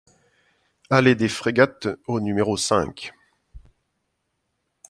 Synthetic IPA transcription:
aled̪efχeɡat̪onymeʁosɛ̰̃k

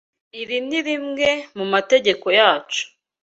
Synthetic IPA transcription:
iɾiniɾimŋe̞mumate̞ɟe̞ko̞jaːt͡ʃu̥

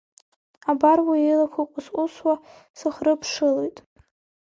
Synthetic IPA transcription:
abarwaelakʷʰakʷʼʊsʷʼʊswa | sɨχrɨpʰʂɨlejtʼ

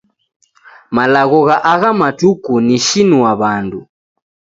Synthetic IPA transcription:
malaɣɔɣaʔaɣamatukuniʃinuwaβandu

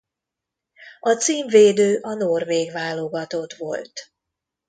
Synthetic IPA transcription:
ɒt̪siːɱveːd̪øːʔɒnorveːɡvaːlːoɡɒt̪ot̪ʋo̞̰lt̪

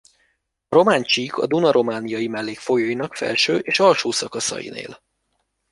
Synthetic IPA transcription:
ɒɾo̞maːɲt͡ʃikʰɒ̰d̪unɒɾʔo̞maːnijɒjimɛlːeːkfo̞joːjinɒkfɛ̰lʃøːʔeːʃɒlʃoːsɒkɒsɒ̰jḭnḛːl

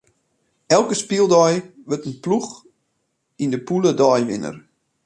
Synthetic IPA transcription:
ɛlˠkəspilˠdɔjʋətənplux | indəpulədɔjʋɪ̰nə̰r

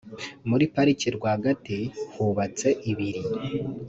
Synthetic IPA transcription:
muɾipaɾiciɾɡwaːɡatihuβat͡se̞ʔiβiɾi

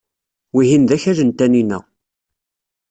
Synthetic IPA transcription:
wiɦinðæçæʒənt̪æninæ̰

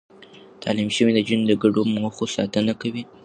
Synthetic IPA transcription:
t̪ʰɑ̰limʃəwid̪əd͡ʒənd̪əɡaɖomoxosɑ̰t̪ənakawi

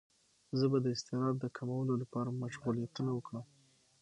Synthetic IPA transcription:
zəbad̪əɪst̪ɪɾɑd̪ːəkʰamawəlolapɑɾamaʃɣulijat̪unawəkɽəm

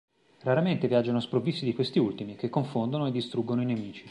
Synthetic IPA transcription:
raɾament̪evjad͡ʒːanospɾovːisːid̪ikwest̪iult̪imik̟ekːoɱfond̪onoed̪ːist̪ɾuɡːonoinemiːt͡ʃi̥

